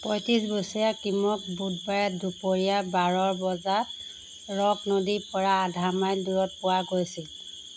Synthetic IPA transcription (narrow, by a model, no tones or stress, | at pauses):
pɔjtisbosijakimɔk̚bud̚bajɛtdupoɹijabaɹɔɹbɔza | ɹɔɡnodipɔɹaːdʱamajduɹɔt̚pʊwaɡojsil